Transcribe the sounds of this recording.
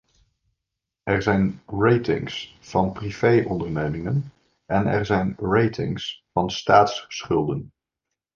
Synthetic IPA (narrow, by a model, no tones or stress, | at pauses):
ɛɹzɛjnrejtɪ̰ŋs | fɑnpriv̥ejʔɔndəɹnejmɪŋən | ɛnɛ̰ɹzɛjnrejtɪ̰ŋsfɑnstaːtssχʏlˠdən